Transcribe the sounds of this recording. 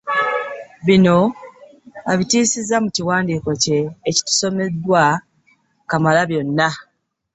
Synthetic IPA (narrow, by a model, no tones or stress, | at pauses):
βino̞ | aβitiːsizamuciwaːndiːko̞ce̞ːci̥tu̥so̞me̞dːwa | kamalaβjo̞nːa